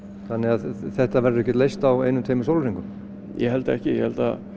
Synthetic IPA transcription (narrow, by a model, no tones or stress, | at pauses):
θanːɪaðθɛht̪avɛɾðʏɛhc̬ɛt̪lejst̪awejnʏmt̪ʰeːjmɪsowlɾiŋkʏm | jɛ̰ɦɛlt̪aɛhcɪjɛ̰hɛlt̪a̰